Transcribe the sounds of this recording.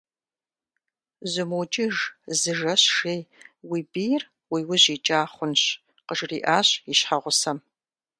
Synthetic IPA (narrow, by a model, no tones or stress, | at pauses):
zɨmut͡ʃʼɪʒzɨʒɐɕʂeːjwiːbiːjr | wiːwʊʑiːt͡ʃʼaːχʷʊnɕ | qəʒriːʔaːɕjiɕħaʁʷʊsɐm